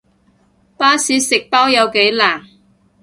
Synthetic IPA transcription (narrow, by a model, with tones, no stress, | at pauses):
paː˥siː˨˥sɪ˨k̚paː˥wjɐ˨˧wke˨˥jlaː˨˩ŋ